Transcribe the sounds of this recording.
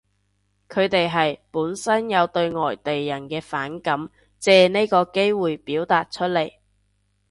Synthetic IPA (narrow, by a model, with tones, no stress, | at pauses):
kʰɵ˨˧ɥt̪e˨jɦɐ˨jpuː˨˥nsɐ˥njɐ˨˧wt̪ɵ˧ɥŋɔː˨˩jt̪e˨jːɐ˨˩nkɛː˧faː˨˥nkɐ˨˥m | t͡sɛː˨˧ne˥kɔː˧ke˥jwuː˨jpiː˨˥wt̪aː˨t̚t͡ʃʰɵ˥t̚le˨˩j